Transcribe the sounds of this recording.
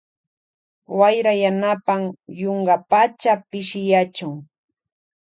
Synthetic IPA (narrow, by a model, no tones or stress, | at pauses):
wajɾajanapamjoɴɢɑpat͡ʃapɪʃɪjat͡ʃʊŋ